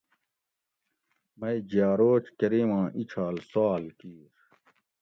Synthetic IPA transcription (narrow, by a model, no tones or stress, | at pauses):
mɐid͡ʑaːɾoːt͡ɕkɐɾiːmãːʔit͡ɕʰaːlsaːlkiːɾ